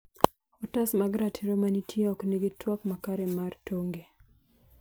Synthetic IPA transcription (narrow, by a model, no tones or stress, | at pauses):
ɔtasmaɡɾatʰiɾɔmanitʰiɔkneɡɪtwakmakaɾɛmartoŋɡe